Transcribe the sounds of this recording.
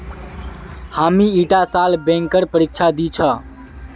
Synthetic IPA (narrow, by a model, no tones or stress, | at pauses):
hamiiʈasalbẽŋkəɾpəɾik̚t͡ʃʰad̪it͡ʃʰə